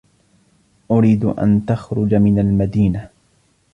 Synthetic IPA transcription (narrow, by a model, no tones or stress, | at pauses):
ʔʊɾiːd̪ʔa̰nt̪axɾʊd͡ʒamɪnalmad̪iːna